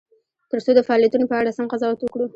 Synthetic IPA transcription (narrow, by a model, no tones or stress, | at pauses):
t̪əɾsod̪əfaɑlijat̪unopəaɽasamqazɑwat̪wəkɽu